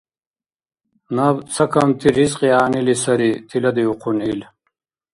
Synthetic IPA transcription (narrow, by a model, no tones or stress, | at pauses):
nɐbsɐkɐmt̪ʰiɾizqiaːnilisɐɾit̪ʰilɐd̪iuqʰunil